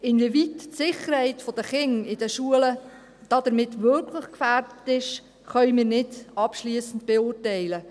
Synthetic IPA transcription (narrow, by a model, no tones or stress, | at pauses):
ɪnvivitsɪχəɾhɛɪtfɔd̥əχɪŋɪdəʃuələ | d̥ɑd̥əɾmɪtvʏkʰləχkfæːrdətɪʃ | χœʏmɪːɾnɪdɑpʃliəsən̩tb̥eʊːrtɛɪlə